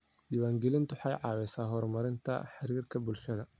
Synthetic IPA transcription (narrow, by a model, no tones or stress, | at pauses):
d̪̥ɪβaːŋɡɛlɪnt̪ʰʊħɑjʕɑːwɛsaːɦɔrmɐɾɪnt̪ʰɐ̰ħɪɾiːrkʰɐbʊlʃɐðɐ